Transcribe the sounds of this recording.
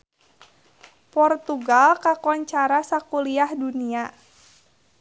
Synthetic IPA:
pɔrt̪uɡalkakɔɲt͡ʃaɾasakuliahdunia

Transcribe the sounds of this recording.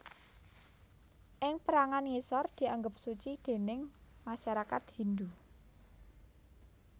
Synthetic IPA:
ʔɪŋpəɾaŋanjisɔrd̪̥i̤aŋɡəp̚sut͡ʃid̪̥e̤nɪŋmaʃaɾakat̪hind̪u

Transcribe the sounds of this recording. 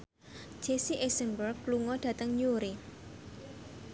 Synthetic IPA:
d͡ʒ̥esiʔɛsənbərkːluŋɔɖ̥ä̤t̪əŋɲuɾi

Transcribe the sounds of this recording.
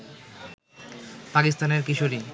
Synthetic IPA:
pakist̪aneɾkiʃoɾi

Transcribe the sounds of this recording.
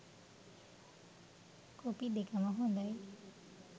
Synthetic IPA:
kopid̪ekamaɦɔ̃d̪aj

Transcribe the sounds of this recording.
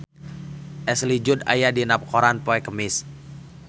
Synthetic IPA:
ʔɛslid͡ʒʊda̰jadinap̚koɾanpoɛkəmɪs

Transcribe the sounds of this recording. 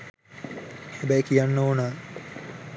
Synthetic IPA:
hebæjkijanːoːnaː

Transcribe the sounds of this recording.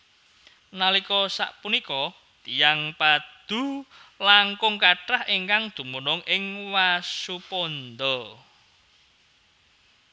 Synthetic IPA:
nalikɔsa̰ʔpunikɔ | t̪ijaŋpad̪̥ṳlaŋkʊŋkaʈahiŋkaŋd̪̥ṳmunʊŋʔɪŋwasupɔnd̪ɔ

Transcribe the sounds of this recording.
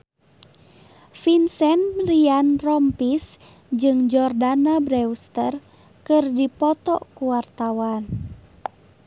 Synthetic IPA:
finsɛnrianrɔmpis | d͡ʒɨŋd͡ʒɔrdanabɾɛust̪ər | kɨrdipɔt̪ɔ̰kuwart̪awan

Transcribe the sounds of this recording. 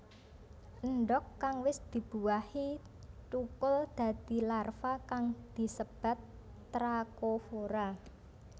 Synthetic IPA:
ʔənɖɔkːaŋwɪsd̪̥i̤b̥ṳwahi | t͡ʃukʊld̪̥ä̤d̪̥i̤larfakaŋd̪̥i̤səb̥a̤t̪ː | ɾakofoɾa

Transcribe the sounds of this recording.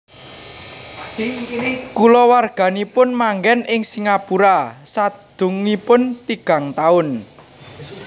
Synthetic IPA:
kulɔwarɡ̥a̤nipʊnmaŋɡɛnɪŋsiŋapuɾasad̪̥ʊ̤ŋipʊnt̪iɡ̥a̤ŋt̪aʊn

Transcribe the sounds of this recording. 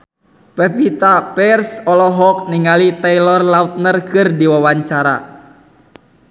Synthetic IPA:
pɛpit̪apɛrsɔlɔɦɔk̚niŋalit̪ɛilɔrlaut̪̚nərkɨrdiwawaɲt͡ʃaɾa̰

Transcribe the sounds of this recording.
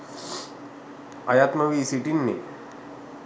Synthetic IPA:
a̰jat̪məʋisiʈinːḭ

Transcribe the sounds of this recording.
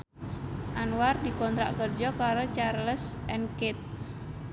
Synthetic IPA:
ʔanwardikɔnt̪ɾa̰kərd͡ʒɔkaɾot͡ʃarləsʔɛnkɪt̪̚

